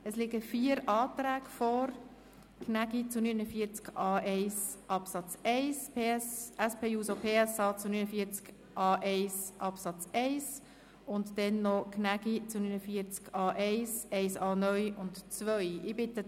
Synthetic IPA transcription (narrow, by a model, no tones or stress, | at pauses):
əslɪɡəfiːəɾɑːtɾæːɡfɔɾ | kʰnæɡit͡sunynəfiəɾt͡skɑːʔeɪsʔɑpsɑt͡sɛɪspʰeːɛsɛspʰeːuːsopʰeːɛsɑːt͡sunynəfiəɾt͡sk | ʔɑːʔeɪsʔɑpsɑt͡sɛɪs | ʊntdɛnːɔkʰnæɡit͡sunynəfiəɾt͡skɑːʔeɪsɛɪsɑːnœʏʊntt͡sʋœʏɪbɪt̪ə